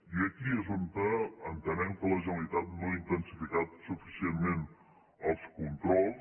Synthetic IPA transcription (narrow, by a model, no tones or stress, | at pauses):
iəkiəzunt̪əənt̪ənɛmkələʒənəlit̪at̪̚noaint̪ənsifikat̪̚sufisienmen | əlˠskunt̪ɾɔlˠs